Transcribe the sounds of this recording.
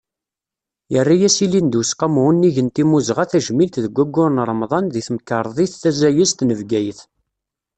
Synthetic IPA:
jərˤːajæsilind̪usqæmənːiʝənt̪imuzʁæθæʒmilt̪ðəɡʷæɡːʊɾnɾˤːmðˤɑnðiθəmkːəɾˤðˤiθθæzæjəst̪nəvɡæjəθ

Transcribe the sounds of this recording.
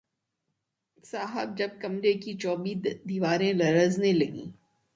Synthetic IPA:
saːɦəb̚d͡ʒɐb̚kɐmɾekit͡ʃɔːbid̪iːʋaːɾẽlɐɾəznelɐɡḭ̃ː

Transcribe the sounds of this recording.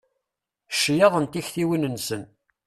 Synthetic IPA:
ʃːjɑðˤənt̪içθiwənənsən

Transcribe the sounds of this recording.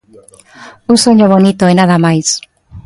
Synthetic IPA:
uŋsoɲoβ̞onit̪oenað̞amajs

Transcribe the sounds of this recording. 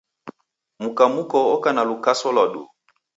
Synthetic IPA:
mukamukɔɔkanalukasɔlwaɗṵ

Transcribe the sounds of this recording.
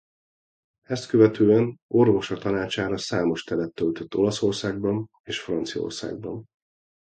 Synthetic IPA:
ɛst̪køvɛt̪øːɛno̞rvo̞ʃɒt̪ɒnaːt͡ʃaːɾɒsaːmo̞ʃt̪ɛlɛt̪ːølt̪øt̪ːo̞lɒso̞rsaːɡ̚bɒn | eːʃfrɒnt̪sijo̞̰rsa̰ːɡ̚bɒn

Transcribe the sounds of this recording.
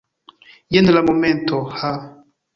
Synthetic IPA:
jenelamomɛntʰoha

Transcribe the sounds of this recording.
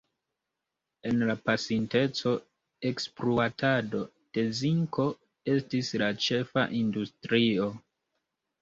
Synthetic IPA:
e̞nlapasinte̞t͡so̞ | e̞kspɾuatʰado̞ | d̥e̞ziŋko̞ | e̞stislat͡ʃe̞fa̰ʔindustɾio̞

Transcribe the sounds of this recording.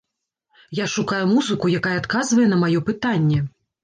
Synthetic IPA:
jaʂukajumuzɨkujakajɐːt̪kazvɐjɛnɐmajɔpɨt̪anʲːɛ

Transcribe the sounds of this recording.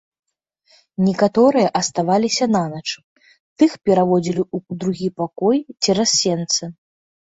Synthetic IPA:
nʲɛkat̪ɔɾɨjɐʔɐst̪avalʲisʲɐnanɐt͡ʂ | t̪ɨxpʲɛɾavɔd͡zʲilʲiud̪ɾuɣʲipakɔjt͡sʲɛɾɐssʲɛnt̪sɐ

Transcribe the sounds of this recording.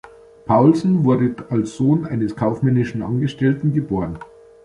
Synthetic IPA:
pʰaʊlsn̩vʊɐdəalsz̥oːnʔaɪnəskʰaʊfmɛnɪʃn̩ʔa̰nɡəʃtɛltn̩ɡəboːʁən

